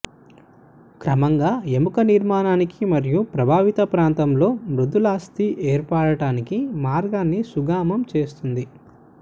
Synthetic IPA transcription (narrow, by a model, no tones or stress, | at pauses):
kɾɐmɐŋɡaːe̞mukɐniɾmaːnaːnikimɐɾijupɾɐbʱaːʋit̪ɐpɾaːnt̪ɐmlo̞ːmɾud̪ʱulaːst̪iʔeːɾpaːɽɐʈaːnikimaːɾɡaːnːisuɡaːmɐmt͡ʃe̞ːst̪und̪i